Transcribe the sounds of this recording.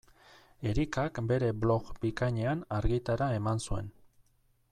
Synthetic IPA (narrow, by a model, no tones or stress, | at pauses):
e̞ɾikakbe̞ɾe̞blo̞ɣbikaɲe̞anaɾɣit̪aɾae̞mansue̞̰n